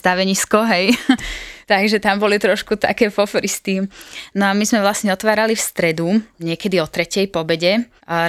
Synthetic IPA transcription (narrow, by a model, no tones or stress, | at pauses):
st̪aʋɛɲiskɔɦɛj | t̪aɡʒɛt̪ambɔlit̪ɾɔʃkut̪a̰kɛːfɔfɔɾist̪inɔamizmɛʋlasɲɛɔt̪ʋaːɾalifst̪ɾɛd̪uɲɪɛkɛd̪iɔt̪ɾɛcɛjpɔbɛɟɛ